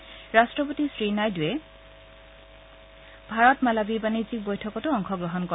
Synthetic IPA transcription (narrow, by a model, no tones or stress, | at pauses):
ɹastɹɔpotisɹinajdujɛ | bʱaɹɔtmalabibanizik̚bojtʰɔkɔtʊɔŋxʰɔɡɹɔɦɔnkɔ